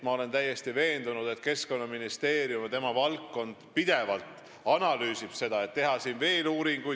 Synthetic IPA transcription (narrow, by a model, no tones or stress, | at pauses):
mɑo̞le̞nt̪æjːe̞st̪ive̞ːnd̪̥unud̪̥e̞t̪ke̞sko̞nːɑminist̪e̞ːɾjumt̪e̞mɑvɑlkːo̞nd̪̥pid̪̥e̞vɑlt̪ˑ | ɑnɑlyːsib̥se̞d̪̥ɑe̞t̪ːe̞ɦɑsiːnve̞ːluːɾiŋɡ̥uj